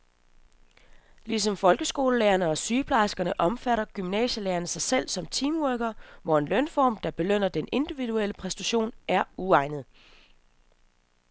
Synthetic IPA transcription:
lis̬ɒ̽mfɒ̽lɡ̥əsɡ̥o̝ːləleːɐnəɒ̽syːpʰlɑ̈ɪsɡ̥ɐnəʔɒ̽mfæɾɐɡ̥ymnɛ̰ːɕəleːɐnəsɑ̈ɪsel̰sɒ̽mt͡sʰiːmwœɡ̥ɐʋɒe̝nlœnfɒ̰ːmd̥ɑ̈b̥e̝løn̰ɐd̥enʔe̝nd̥iʋið̥uel̰əpʰʁɛsd̥æɕo̝̰ːnæɐuɑ̈ɪnð̩ˠ

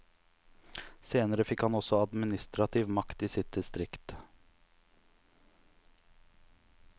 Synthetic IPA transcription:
seːnəɾəfɪkhɑnɔsɔɑd̪mɪnɪst̪ɾɑt̪ʰɪʋmɑkt̪iːsɪt̪̚d̪ɪst̪ɾɪkt̪

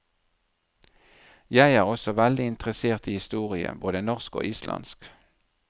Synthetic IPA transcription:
jæɪæːʁɔsɔʋæld̪ɪɪnt̪ʁəseːʁt̪iːhɪst̪uːʁɪə̰boːd̪ənɔʁsko̰ːʔiːslʔɑ̰nsk

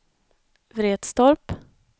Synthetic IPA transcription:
vɾeːd̪̥st̪ɔɾp

